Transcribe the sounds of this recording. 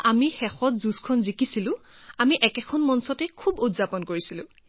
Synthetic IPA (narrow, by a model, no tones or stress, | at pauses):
ʔamixɛxɔtzuskʰɔnzikisilʊ̃amiʔɛkɛkʰɔnmɔnsɔtɛkʰubutzapɔnkoɹisilʊ̃